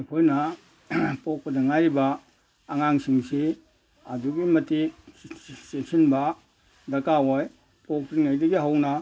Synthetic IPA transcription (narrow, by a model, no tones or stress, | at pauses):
pʰojnɐ | pɔk̚pɐdɐŋajɾibaː | ŋaŋsiŋsi | aduɡimɐti | sesinbɐ | dɐkawɔj | pok̚piŋajdɐɡiɦawnɐ